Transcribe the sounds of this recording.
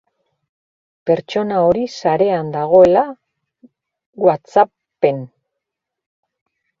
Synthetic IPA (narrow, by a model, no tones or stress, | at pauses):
pe̞ɾt͡ʃo̞nao̞ɾisaɾe̞and̪aɣ̞o̞e̞la | ɣwat͡sa | pe̞n